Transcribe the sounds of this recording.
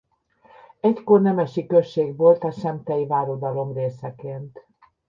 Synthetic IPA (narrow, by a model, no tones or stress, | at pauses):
ɛckornɛmɛʃikø̞ʃːeːɡʋo̞lt̪ɒʃɛmt̪ɛjvaːɾod̪ɒlo̞mreːsɛkeːnt̪